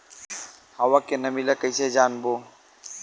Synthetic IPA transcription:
hawakenɐmilakəjsed͡ʒaːnbo

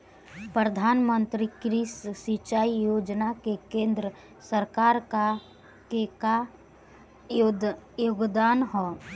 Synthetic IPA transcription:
pɾəd̪ʱaːnmənt̪ɾikɾisːit͡ʃaːijoːd͡ʒnakekẽːnd̪ɾə | səɾkaːɾka | keka | joːɡd̪aːnɦoː

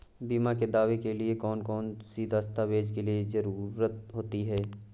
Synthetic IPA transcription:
biːmaked̪aːʋekeliekɔːnkɔːnsiːd̪ʱast̪ʰaʋeːd͡ʒkeliezɐɾuːɾət̪̚ɦoːt̪iɦɛː

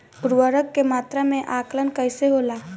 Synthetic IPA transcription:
ʊɾwəɾəkːemaːt̪ɾamẽʔaːklənkəɪseɦoːlaː

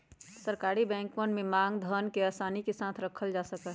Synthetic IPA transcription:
səɾkaːɾibɛ̃ːŋkmənmẽmãːŋɡd̪ʱənkeaːsaːnikesãt̪ʰɾəkʰəld͡ʒasəkɛ

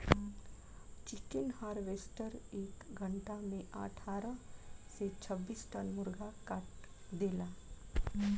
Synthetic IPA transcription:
t͡ʃɪkənhaːɾʋeːsʈəɾeːkɡʱəɳʈamẽʔa̰ʈʰaːɾəset͡ʃʰəbːiːsʈənmʊɾɡakaʈd̪eːlaː

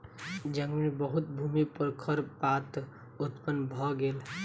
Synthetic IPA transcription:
d͡ʒəŋɡminbəɦut̪̚bʱumipəɾkʰəɾpat̪ | ut̪pənbʱɔɡel

